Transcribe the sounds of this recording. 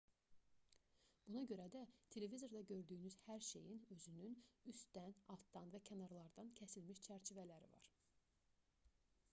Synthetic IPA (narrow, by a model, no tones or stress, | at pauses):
b̥unɑɟø̞ɾæd̪æt̪ʰe̞le̞vizo̞ɾd̪ɑɟø̞ɾd̪yːnyzhæɾʃe̞jinø̞zynynyst̪d̪ænɑlˠt̪d̪ɑnvæcʰænɑɾlˠɑɾd̪ɑncʰæsilmiʃt͡ʃʰæɾt͡ʃʰivælæɾḭvɑ̰ɾ